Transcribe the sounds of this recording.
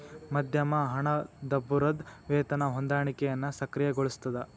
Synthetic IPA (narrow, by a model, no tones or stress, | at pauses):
mɐd̪ʱjɐmɐɦɐɳɐd̪ɐbːuɾɐd̪ʋeːt̪ɐnɐɦond̪aːɳikɛjɐnːusɐkɾijɐɡoɭust̪ɐd̪ɐ